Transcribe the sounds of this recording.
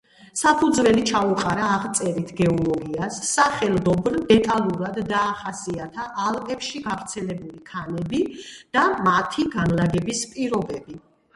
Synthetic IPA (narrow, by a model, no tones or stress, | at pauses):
sapʰud̪zvɛlit͡ʃʰauqʼaɾaːʁt̪sʼɛɾit̪ʰɡɛɔlɔɡiasːaχɛlˠd̪ɔbɾd̪ɛt̪ʼalˠuɾad̪ːaːχasiat̪ʰaʔːlˠpʼɛpʃiɡavɾt̪sʰɛlɛbulikʰanɛbid̪̥amat̪ʰiɡanlaɡɛbispʼiɾɔbɛbi